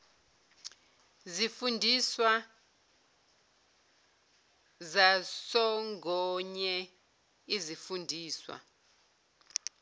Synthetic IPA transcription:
zifundʱiswa | zasɔŋɡʱɔɲɛ | izifundʱiːswa̰

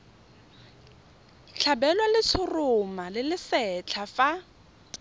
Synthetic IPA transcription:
t͡ɬʰabɛlwalɪt͡sʰʊrʊmalɪlɪsɛt͡ɬʰafa

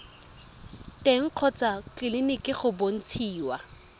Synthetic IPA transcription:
tʼeŋ̩q͡χʰɔt͡sʼakɪlɪnɪkʼɪχʊbon̩t͡sʰiːwa

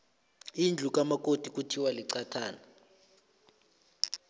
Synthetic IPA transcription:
ind͡ɮʱuk̬ʼamak̬ʼotʼik̬ʼutʰiwaliǀatʰaːna

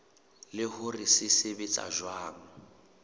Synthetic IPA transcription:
lɪhʊrɪsɪsɪbɪt͡sʼa̰ʒwaːŋ̩

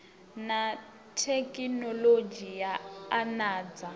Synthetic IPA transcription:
na | tʰekʼinɔlod͡ʒijaanaːd͡za

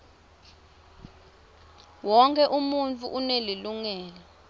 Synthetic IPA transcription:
wɔŋkʰʼɛʔumunt͡fʰʼuʔuneliluŋɛːlɛ

